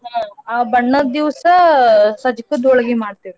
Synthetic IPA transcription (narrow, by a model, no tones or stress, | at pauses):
aːbɐɳːɐd̪iʋsɐsɐd͡ʒikɐd̪ɔɭɐɡimaːɖt̪iɾi